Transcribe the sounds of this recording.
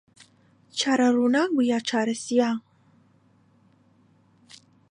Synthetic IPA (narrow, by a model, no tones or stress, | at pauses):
t͡ʃʰaːɾɐrunaːbujaːt͡ʃʰaːɾɐsijaː